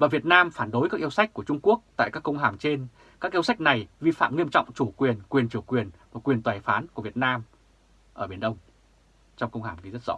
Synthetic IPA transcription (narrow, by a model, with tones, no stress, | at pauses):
vaː˨˩vi˨˩ət̚naː˧mfaː˧˩nɗo˨˦jkaː˦˥k̚ʔəwsa˦˥k̚ku˧˩ət͡ɕʊ˧ŋ͡mku˦˥ək̚t̪a̰ː˧˨kaː˦˥kːə˧wŋ͡mɦaː˧˩mt͡ɕe˧n | kaː˦˥k̚ʔəwsa˦˥jk̟̚na˨˩jvi˧fa̰ː˧˨mŋi˧əmt͡ɕɔ̰˧˨wŋ͡mt͡ɕu˧˩kwi˨˩ənkwi˨˩ənt͡ɕi˧˩əwkwi˨˩ənmaː˨˩kwi˨˩ənt̪waː˨˩jfaː˨˦nku˧˩əvi˨˩ət̚naː˧m | ʔəː˧˩ɓi˧˩ənɗə˧wŋ͡m | t͡ɕɔ˧wŋ͡mkə˧wŋ͡mhaː˧˩mɣi˧˩zə˦˥t̚z̥ɔ̰˧˥